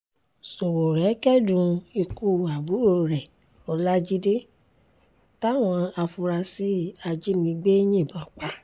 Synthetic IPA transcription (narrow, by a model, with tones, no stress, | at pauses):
so˨wo˨ɾɛ˨˦kɛ˦dũ˨˧e˧ku˦˧˨a˨bu˨˦ɾo˨ɾɛ˨ | ɔ˧la˦d͡ʒi˦de˦ | ta˦˨w̃ɔ̃˧a˧fu˧ɾa˧si˦a˧d͡ʒi˦nĩ˧˦ɡ͡be˦j̃ĩ˦˨bã˨k͡pa˨˦